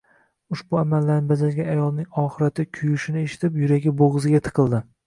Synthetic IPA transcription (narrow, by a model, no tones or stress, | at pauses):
ʊʃbʊamalːaɾnɪbazalɡʲanajɒlˠnɪŋɒχɨɾat̪ʰɪkʲʰʊjʊʃɪnɪeʃɪ̥t̪ʰɪpjʊɾaɡʲɪboʁɨzɪɡʲat̪ʰɨ̥qʰɨlˠd̪ɪ